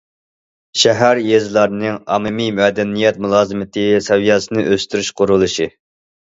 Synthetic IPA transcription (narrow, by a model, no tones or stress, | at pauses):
ʃɛɦæɾjezɨlˠɑɾnɨŋɑ̰mɨmimɛd̪ɛnijɛt̪mulˠɑːzɨmɪt̪ʰɪsɛwijɑsɨnɨʔøst̪yɾyʃqʰʊɾulˠɨʃi